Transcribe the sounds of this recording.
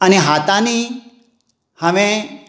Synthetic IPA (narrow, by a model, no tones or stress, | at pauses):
əneɦat̪ani | həʋẽ